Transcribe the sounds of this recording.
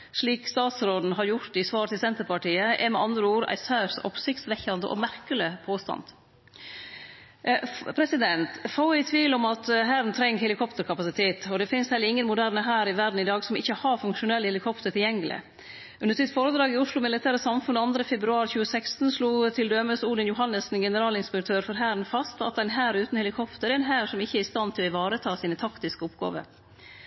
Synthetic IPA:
ʂɭiːkst̪ɑːt̪sɾoːd̪n̩ɦɑɾjʊɾt̪ɪsʋɑːɾt̪ʰɪlsɛnt̪əɾpɑʈiːəʔɛ̰mɛɑnd̪ɾəuːɾæ̰ɪsæːɾsɔ̰psɪkt̪sʋɛçɑnd̪ə̰ʔɔ̰mæɾkəlɪpʰoːst̪ɑ̰nd̪̥ | pʰɾɛsɪd̪ɛnt̪faʊæɪt̪ʰʋiːlɔmɑt̪ɦæɾnt̪ʰɾɛŋhɛlɪkʰɔpt̪əɾkʰɑpɑsɪt̪ʰeːt̪ɔd̪ɛfɪnshɛlːəɾɪŋːənmʊd̪æɾnəɦæːɾɪʋæɾɖɳ̩ɪd̪ɑːɡsɔmɪçːəhɑɾfʉŋkʂʊnɛləhɛlɪkʰɔpt̪əɾʈ̪ʰɪljɛŋːəlɪ̰ | ʉnəsɪt̪foːɾəd̪ɾɑːɡɪʊʂlʊmɪlɪt̪ʰæːɾəsɑmfʉnːɑnd̪ɾəfɛbɾʉɑːɾçʉːəsækst̪n̩sluːt̪ʰɪld̪øːməsuːd̪ənjʊɦɑnːəsn̩ɡɛnəɾɑːlɪnspɛk̚t̪ʰøːɾfɔɾɦæːɾnfɑst̪ɑ̰t̪̚d̪ɛnɦæːɾʉːt̪n̩hɛlɪkʰɔpt̪əɾɛænɦæːɾʂɔmɪçːəæɾɪst̪ɑnt̪ʰɪlɔɪʋɑːɾət̪ʰɑːsiːnət̪ʰɑkt̪ɪskəɔpɡɑ̰ːʋə̰ɾ

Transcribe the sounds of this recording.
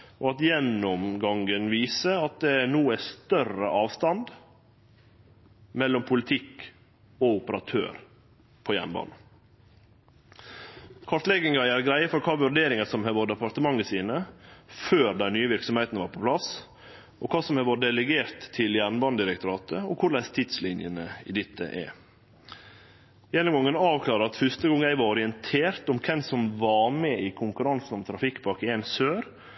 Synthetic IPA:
ɔɑt̪jɛnːʊmɡɑŋɡənʋiːsəɑt̪̚d̪ɛænuːæst̪œrə̰ʔɑːʋst̪ɑnd̪ | mɛlːɔmpʰʊlɪt̪ʰɪk | ɔʊpəɾɑt̪ʰø̰ːɾ | pʰɔjæ̰ɳbɑ̰ːn | kʰɔʈt̪lɛɡɪŋɑæɾɡɾæɪəfɔɾkʰɑːʋʉɾɖ̪eːɾɪŋəsɔmhɛʋɔd̪əpɑɾt̪əmɑŋːəsiːnəføːɾd̪ɛɪnyːəʋɪɾksɔmheɪt̪nʋɑːɾpʰɔpʰlɑs | ʔɔkʰɑːsɔmhɛʋoɖ̪ɛləɡeːɾt̪ʰːɪljæːɳbɑnd̪ɪɾək̚t̪ʊɾɑːt̪ʰəɔkʰʊɾɭæɪst̪ʰɪd̪slɪnjənəɪ̰ːd̪ɪt̪ʰːə̰ʔɛ̰ | jɛnʊmɡɔŋːənɑːʋkʰlɑːɾəɾɑt̪fʏst̪əɡɔŋːæɪʋɑɔɾɪənt̪ʰeːɾt̪ɔmkʰɛnsɔmʋɑɾmɛikʰʊŋkʉɾɑnsn̩ɔmt̪ʰɾɑfɪkːbɑkɪensøːɾ

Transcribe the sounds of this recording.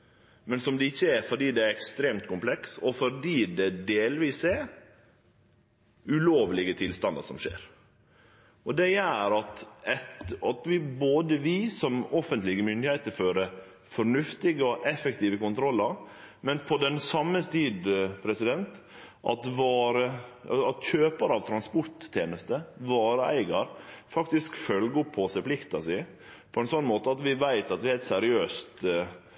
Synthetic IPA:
mɛnsɔmd̪ɛɪçːəæɾfɔɖiːd̪ɛæɾɛkst̪ɾeːmt̪kʰʊmpʰlɛksɔfɔd̪iːd̪ɛd̪eːlʋiːsɛ | ʉloːʋlɪɡət̪ʰɪlst̪ɑnd̪əʂɔmʂḛːɾ | ʔɔd̪ɛjæːɾɑt̪ɛt̪ɑt̪ʋɪboːd̪əʋɪsɔmɔfənt̪lɪɡəmʏnd̪ɪheɪt̪əɾføːɾə | fɔɾɳʉft̪ɪɡəɔʔɛfɛk̚t̪iːʋəkʊnt̪ʰɾɔlːəɾ | mɛnpʰɔd̪ɛnsɑmːəst̪iːd̪pʰɾɛsɪd̪ɛnt̪ | ʔɑ̰t̪ʋɑːɾəɑt̪çøːpəɾɑʋt̪ʰɾɑnspɔɾʈ̪ʰːeːnəst̪əʋɑːɾəæ̰ɪɡɑɾfɑk̚t̪ɪskfœlɡəɔpʰːɔsɛɪplɪkt̪ɑsɪ | pʰɔɛnsɔnːmoːt̪əɑt̪ʋɪʋæɪt̪ɑt̪ʋɪhæɪlt̪sæɾɪøːst̪

